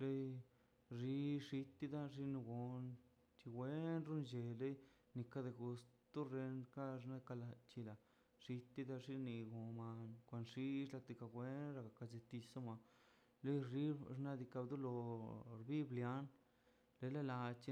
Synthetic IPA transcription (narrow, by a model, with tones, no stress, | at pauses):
le˦ | ʐi˧˦ʂi˧t̪ːi˦d̪a˦ʐi˦nu˧ɡo˨n | t͡ʃi˧wʷe˦nɾu˦nd͡ʒe˨le˦ | ni˧ka˦d̪e˧ɡu˧st̪u˦ɾe˧nka˦ʐna˦˧ka˧la˧t͡ʃi˧la˨ | ʂi˧t̪ːi˦d̪a˦ʐi˦ni˧ɡo˨ma˧nkʷa˨nʂi˦ʃla˧t̪i˧ka˧wʷe˦nɾa˧ɡa˨ka˧d͡ʒe˧t̪i˧sa˦mʷa˧ | le˦jʐi˦ɾna˦d̪i˧ka˧bd̪u˦lo˧ɾbi˦blja˦n | le˦la˦la˧t͡ʃi˦